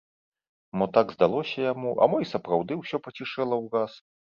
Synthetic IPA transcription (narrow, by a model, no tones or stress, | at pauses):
mɔt̪aɡzd̪alˠɔsʲɐjamuʔɐ̰mɔjsɐpɾawd̪ɨwsʲɔpɐt͡sʲiʂɛlˠɐwɣas